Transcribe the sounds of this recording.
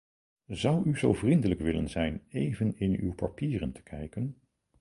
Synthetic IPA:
zʌwyzowvrindələkʋɪlə̰nzɛjnejvənɪny̰wpɑpiːrəntʰə̥kʰɛjkən

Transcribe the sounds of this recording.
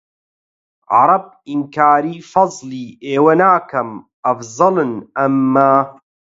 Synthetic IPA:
ʕɑ̰ɾˤɑb̚iŋkaːɾiːfɑzˤliːʔeːwɐnaːkɐm | ʔɐfzˤɨlɨnʔɐmːaː

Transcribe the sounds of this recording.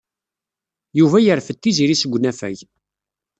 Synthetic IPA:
juvæjəɾfət̪ːiziɾisəɡʷːnæfæ̰ʝ

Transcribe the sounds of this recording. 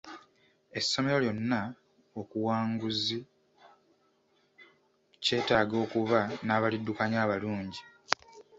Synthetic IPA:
e̞sːo̞me̞ɾo̞ljo̞nːa | o̞kuwaːŋɡuzi | ce̞ːtaːɡo̞ːkuβanaːβalidːukaɲaːβaluːɲɟi

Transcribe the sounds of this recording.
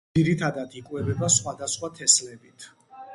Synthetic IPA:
iɾit̪ʰad̪at̪ʰikʼwɛbɛbasχwad̪asχwat̪ʰɛslɛbit̪ʰ

